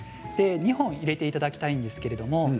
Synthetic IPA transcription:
d̪̥e̞ɲ̟ihõ̞ɰ̃iɾe̞t̪e̞it̪ad̪akʲi̥t̪aĩnd̪e̞sɨ̥ke̞ɾe̞d̪o̞mo̞

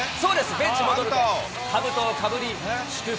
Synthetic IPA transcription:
soːd̪e̞sɨbẽ̞ɲt͡ɕimod̪oɾɯ | habɯ̟t̪okʰabɯ̟ɾʲi | ɕkɯ

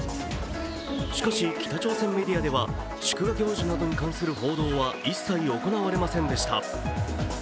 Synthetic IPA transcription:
ɕi̥kaɕikʲʰi̥t̪at͡ɕo̞ːsẽ̞mːe̞d̪ʲijad̪e̞βa | ɕi̥kɯ̟βaɡʲo̞ːʑonad̪o̞ɲ̟ikãɰ̃sɨɾɯ̟ɦo̞ːd̪o̞ːβaisːaio̞ko̞naβaɾe̞masẽ̞nd̪e̞ɕi̥t̪a̰

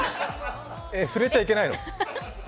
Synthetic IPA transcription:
efɯ̟ɾe̞t͡ɕaike̞naino

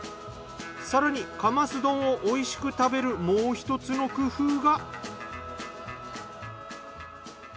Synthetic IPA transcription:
saɾaɲ̟ikamasɨd̪õ̞ɰ̃oʔoiɕi̥kɯ̟t̪abe̞ɾɯ̟moːçi̥t̪o̞t͡sɨno̞kɯ̟ɸɯːɡa

